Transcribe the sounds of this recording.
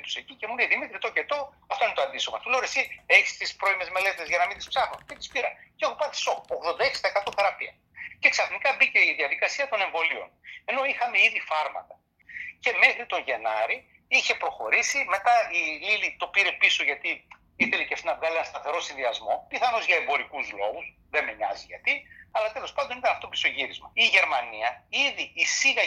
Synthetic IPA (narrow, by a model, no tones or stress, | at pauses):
t̪u̥secice̞muneðimit̪ɾit̪o̞cet̪o̞ɐft̪o̞inet̪oɐnd̪isomɐt̪uleoɾesieçi̥st̪ispɾo̞ime̞zme̞le̞t̪e̞zʝɐnɐmind̪ispsɐxnoncet̪ispiɾɐ̰nceexopɐθi̥sooɣðo̞nd̪ɐeksid̪ɐekɐt̪oθe̞ɾɐpiɐ | ce̞ksɐfnikɐbice̞iðiɐðikɐsiɐt̪o̞ne̞ɱvo̞lio̞̰ne̞no̞ixɐmeiðifɐɾmɐ̰t̪ɐ | ce̞me̞xɾit̪o̞ɲʝe̞nɐɾi | içe̞pɾo̞xo̞ɾisime̞t̪ɐililit̪o̞piɾe̞piso̞ʝɐt̪i | iθe̞leceft̪ienɐvɣɐlienɐnst̪ɐθe̞ɾo̞sinðiɐzmo̞piθɐno̞zʝɐembo̞ɾikuzlo̞̰ɣus | ðe̞meɲɐ̰ziʝɐt̪iɐlɐt̪e̞lo̞spɐnd̪o̞nit̪ɐnɐft̪opi̥so̞ʝiɾizmɐiʝe̞ɾmɐniɐiðiːsiɣɐ